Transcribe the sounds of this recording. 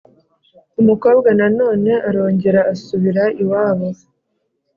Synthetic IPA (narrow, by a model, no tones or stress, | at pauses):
umuko̞ːbɡanano̞ːne̞ʔaɾo̞ːɲɟe̞ɾaːsuβiɾaiwaːβaz